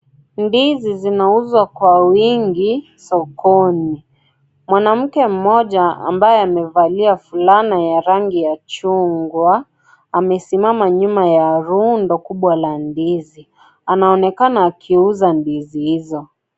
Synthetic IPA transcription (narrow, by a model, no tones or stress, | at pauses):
ndizizinauzwakwawiŋɡi | sɔkɔni | mwanam̩kɛm̩mɔʄaa̰mbajɛamɛvaliafulanajaɾaŋɡijat͡ʃuŋɡwa | amɛsimamaɲumajaɾundɔkuɓwalandizi | anaɔnɛkanaːkʰiuzandizihizɔ